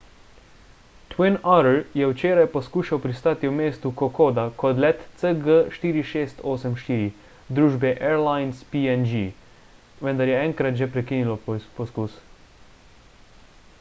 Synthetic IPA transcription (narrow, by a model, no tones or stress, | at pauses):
t̪winaɾljɛwt͡ʃeːɾajpɔskuːʃawpɾist̪aːt̪iwmeːst̪ukɔkoːd̪akɔd̪lɛt̪səɡəʃt̪iːɾiʃeːst̪oːsɛmʃt̪iːɾi | d̪ɾuːʒbɛʔɛɾlajnspiɛnd͡ʒi | ʋənd̪aɾjɛɛŋkɾat̪ʒɛpɾɛkiːnilɔpɔskuːs